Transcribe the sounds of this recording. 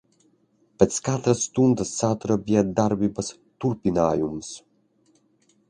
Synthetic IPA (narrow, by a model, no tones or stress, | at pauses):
pɛt͡skat̪ɾəst̪und̪əsːat̪ɾəbiɛd̪aɾbibəs | t̪uɾpinajums